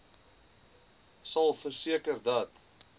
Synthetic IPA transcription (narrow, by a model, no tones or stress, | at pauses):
sɐlˠfərsiəkərdɐt